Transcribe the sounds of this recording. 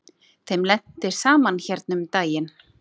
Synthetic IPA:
θejmlɛn̥t̪ɪɾ̥saːmançɛɾt̪̚nʏmt̪aːjɪn

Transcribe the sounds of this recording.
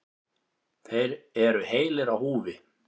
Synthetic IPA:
θejɾɛɾʏheːjlɪɾawhuːvɪ

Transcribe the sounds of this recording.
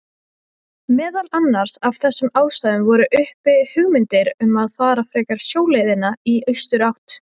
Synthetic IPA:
mɛːðalanːaɾ̥sav̥θɛsːʏmaːwst̪aːðʏmvɔɾʏʔʏhpɪhʏɣmɪnt̪ɪɾʏmaðfaːɾafɾɛːkaɾ̥sjoːwlejðɪnaiœɥst̪ʏɾawht̪

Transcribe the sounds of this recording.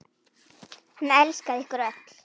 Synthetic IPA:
hanːɛlskaðɪhkʊɾœt̪l̥

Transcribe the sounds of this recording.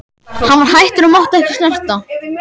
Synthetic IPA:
hanːvaɾ̥hajht̪ʏɾʏmawht̪aɛhcɪslɛn̥t̪a

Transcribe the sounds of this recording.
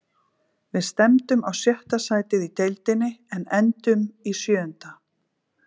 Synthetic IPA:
vɪðst̪ɛmt̪ʏmawsjɛht̪asaːjt̪ɪðit̪ejlt̪ɪnːɪɛnɛnt̪ʏmisjœːʏnt̪a

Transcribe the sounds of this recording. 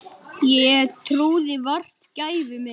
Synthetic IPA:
jɛt̪ʰɾuːðɪvar̥t̪caːjvʏmɪ

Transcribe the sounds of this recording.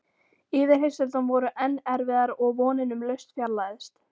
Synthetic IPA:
ɪːðɪɾhɦejsɛlt̪ɔnvɔɾʏʔɛnːɛɾvɪðaɾɔɣvɔːnɪnʏmlœɥst̪fjaɾlaːðɪst̪

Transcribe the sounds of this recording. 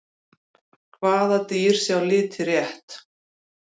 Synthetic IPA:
kʰvaːðat̪iːɾ̥sjawlɪːt̪ʰɪrjɛht̪

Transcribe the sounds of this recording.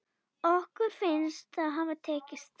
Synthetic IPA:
ɔhkʏɾ̥fɪnst̪aðɦaːvat̪ʰɛːcɪst̪

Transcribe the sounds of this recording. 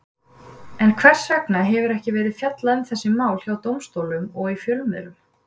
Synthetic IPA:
ɛnkʰvɛr̥svɛknaɦɛvɪɾɛhcɪvɛːɾɪðfjat̪laʏmθɛsːɪmaːwlçjaːwt̪owmst̪oːwlʏmɔɣifjœlmɛ̰ðɾʏm

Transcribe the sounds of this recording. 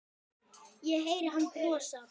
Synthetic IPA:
jɛɦejɾɪɦanːkɾɔːsa

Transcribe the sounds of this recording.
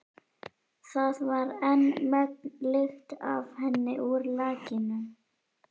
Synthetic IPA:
θaðvaɾɛnmɛknlʏxt̪a̰vhɛnːɪʔuɾlaːcɪnʏ

